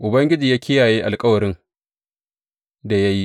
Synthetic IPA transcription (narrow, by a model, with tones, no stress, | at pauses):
ʔʊ˨bɐ˦ŋɡʲɪ˦d͡ʒiː˨jaː˦kʲɪ˦jaː˨jeː˦ʔa˨lkʼɐ˦wɐ˨ɾɪ˦n | da˨ja˦ji˦